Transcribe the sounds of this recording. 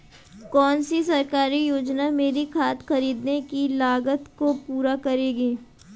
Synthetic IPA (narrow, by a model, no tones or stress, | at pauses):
kɔːnsisɐɾkaːɾijoːd͡ʒnameːɾikʰaːt̪xɐɾiːd̪nekilaːɡət̪kopuːɾakɐɾeːɡiː